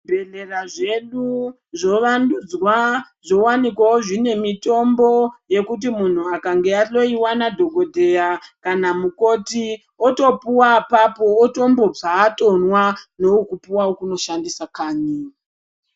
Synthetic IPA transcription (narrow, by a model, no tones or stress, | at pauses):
bʱeleraʐe̞ɗu | ʐo̞ʋandud͡zwa | ʐo̞wanikwaoʐine̞mito̞mbo̞je̞kut̬imun̤uakaŋɡe̞alo̞iwanadʱo̞ɡʱo̞dʱe̞jakanamuko̞ti | oto̞puwapapo̞oto̞mbo̞b͡ʐaːto̞nwano̞okupuwaokuno̞ʃandisakaːɲi